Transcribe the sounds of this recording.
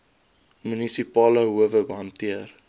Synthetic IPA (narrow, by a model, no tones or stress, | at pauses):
mynisipɑːləɦuəvəbəɦɐntiər